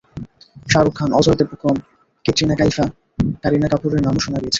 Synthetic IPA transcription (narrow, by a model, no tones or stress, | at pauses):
ʃaɾukʰːanʔɔd͡ʑɔɾt̪epukom | ket̪ɾinakajfa | kaɾinakapuɾeɾnamoʃonaɾijet͡ɕʰe̥